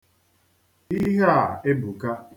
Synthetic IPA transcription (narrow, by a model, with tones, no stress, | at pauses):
i˦ɦa˨e˦bu˨ka˦